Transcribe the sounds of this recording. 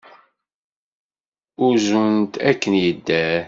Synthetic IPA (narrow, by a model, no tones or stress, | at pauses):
ʊzunt̪ækːənjəd̪ːæ